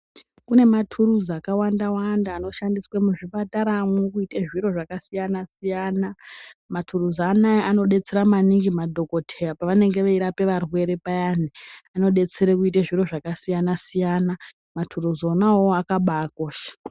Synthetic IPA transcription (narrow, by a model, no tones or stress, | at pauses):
kune̞matʰuruzakawandawandaːno̞ʃandiswemuʐipataɾamwokuiteʐiɾo̞ʐakasijanasijanamatʰuruzanajeʔano̞ɗe̞t͡se̞ɾamaniŋɡimadʱo̞ko̞tʰerapaʋane̞ŋɡe̞ʋaiɾape̞ʋarwe̞ɾe̞pajan̤iano̞ɗe̞t͡se̞ɾekuiteʐiro̞ʐakasijanasijana | matʰuruzonawoakaɓakoʃḁ